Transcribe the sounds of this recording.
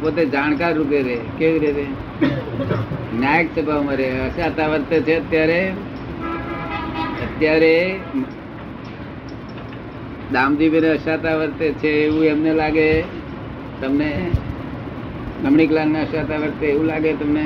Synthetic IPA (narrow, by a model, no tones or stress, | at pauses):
pot̪ed͡ʒankaɾːupeɾekeʋiɾit̪e | njajək̚t̪əbʱaʋmaɾeəʃat̪aʋəɾt̪et͡ʃʰeət̪jaɾe | ət̪jaɾem | d̪ãmd̪ibʱineəʃat̪aʋəɾt̪et͡ʃʰeːʋũemnelaɡe | t̪əmne | nəmɳiklanneəʃat̪aʋəɾt̪eeʋũlaɡet̪əmne